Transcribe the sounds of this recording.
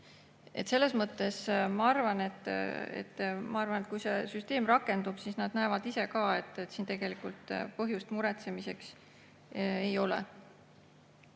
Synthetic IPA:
e̞t̪se̞lːe̞smɤt̪ːˑe̞smɑɑrvɑne̞t̪ˑːḛt̪ːmɑɑɾvɑnet̪̚kujse̞syst̪e̞ːmrɑkːˑe̞nd̪ub̥sisnɑd̪næevɑd̪ise̞kɑːe̞t̪ːˑet̪siːnt̪e̞ɡ̥e̞likˑult̪ˑpɤɦjust̪muɾet̪se̞mise̞ks | ejo̞lḛ

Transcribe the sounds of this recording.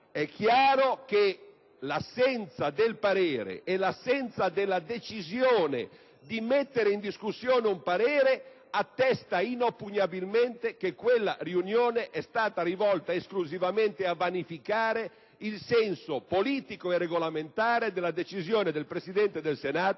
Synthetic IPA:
ɛk̟ːjaːɾoke | lasːɛnt̪sad̪elpaɾeːɾḛʔːlasːɛnt̪sad̪elːad̪et͡ʃizjoːnḛ | d̪imet̪ːeɾeind̪iskusːjoːneumpaɾeːɾe | at̪ːɛst̪ainopːuɲabilment̪ekekːwelːa̰riunjoːneʔɛst̪aːt̪aɾivɔlt̪aeskluzivament̪eavanifikaːɾe | ilsɛnsopoliːt̪ikoereɡolament̪aːɾed̪elːad̪et͡ʃizjoːned̪elpɾesid̪ɛnt̪ed̪elsenaːt̪o

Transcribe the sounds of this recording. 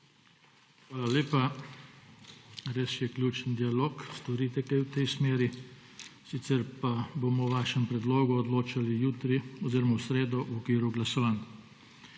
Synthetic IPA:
xʋaːlaleːpa | ɾesjɛklʲjuːt͡ʃənd̪ialoːkst̪ɔɾiːt̪ɛkajwt̪ɛjsmeːɾi | sit̪sɛɾpabomɔwʋaːʃɛmpɾɛd̪loːɡuɔd̪loːt͡ʃalijuːt̪ɾiɔziːɾɔmawsɾeːd̪ɔʔwɔkʋiːɾuɡlasɔʋan

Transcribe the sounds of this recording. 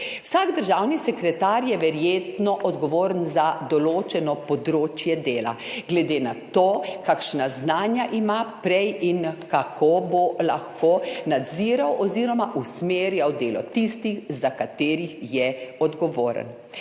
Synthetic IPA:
wsaːɡd̪əɾʒaːwnisɛkɾɛt̪aɾjɛʋɛɾjeːt̪nɔʔɔd̪ɡɔʋoːɾənzad̪ɔloːt͡ʃɛnɔpɔd̪ɾoːt͡ʃjɛd̪eːla̰ɡlɛd̪enat̪oːkakʃnaznaːnjaʔimapɾɛjinkakʰobola̰xkonad̪ziːɾawʔɔziːɾɔmaʔusmeːɾjawd̪eːlɔt̪ist̪ixzakat̪eːɾixjɛɔd̪ɡɔʋoːɾə̰n

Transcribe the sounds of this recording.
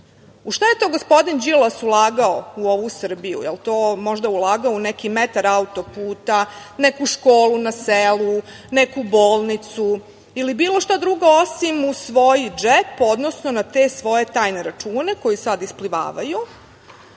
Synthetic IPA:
uʃt̪aje̞t̪o̞ɡospo̞d̪ind͡ʒilˠasulˠaːɡaouo̞ʋusr̩bijṵjḛlt̪oːmo̞ʒd̪aulˠaːɡaounekimet̪aɾaut̪o̞puːt̪anekuʃkoːlunaselu | nekuboːlˠnit̪su | ilibiːlˠoʃt̪ad̪ɾuɡaosimusʋo̞jid͡ʒepo̞d̪nosnonat̪e̞sʋo̞je̞t̪aːjne̞ɾat͡ʃuːne̞ko̞jisad̪ispliʋa̰ːʋaju

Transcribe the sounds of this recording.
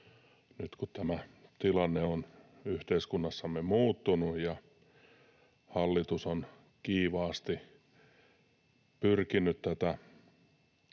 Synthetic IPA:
nyt̪kutt̪æmæt̪ilɑnːeon | yht̪eiskunːɑsːɑmːemuːt̪ːunujjɑ | hɑlːit̪uson | kiːʋɑːst̪i | pyrkinyt̪t̪æt̪æ

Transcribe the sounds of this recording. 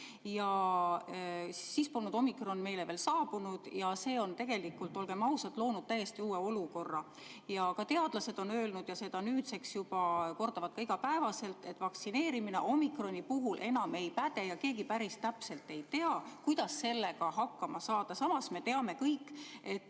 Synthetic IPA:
jɑ | sispolnud̪̥o̞mikro̞nːme̞jle̞ve̞ːlsɑːb̥unud̪̥jɑse̞ːo̞nt̪e̞ɡ̥e̞likult̪ːˑo̞lɡ̥e̞mɑwsɑt̪ˑlo̞ːnud̥̪̚t̪æjːe̞st̪iuːeo̞luko̞rːɑ | jɑkɑt̪e̞ɑd̪lɑse̞d̪̥o̞nøːlnud̪̥jɑse̞d̪̥ɑnyːd̪se̞ksjubɑko̞rd̪̥ɑvɑt̪̚kɑiɡ̥ɑpæevɑse̞lt̪e̞t̪ːˑvɑksine̞ːɾimine̞̰ʔo̞mikro̞nʲipuɦulʔe̞nɑme̞jpæd̪̥e̞jɑke̞ːɡipæɾist̪æpse̞lt̪e̞jt̪e̞ɑkujd̪̥ɑsːe̞lːe̞ɡɑɦɑkˑːɑmɑsɑːd̪̥ɑsɑmɑsme̞t̪e̞ɑme̞kɤjkːˑe̞t̪ːˑ

